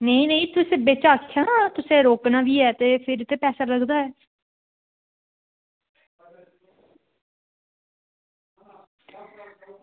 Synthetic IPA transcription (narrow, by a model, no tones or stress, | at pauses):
nəĩnəĩːt̪ʊsẽbeːt͡ʃaːkʰːjãːt̪ʊsẽːɾoːknaːʋiːɛːt̪eːpʰɪɾt̪eːpɛːsaːləɡd̪aːɛː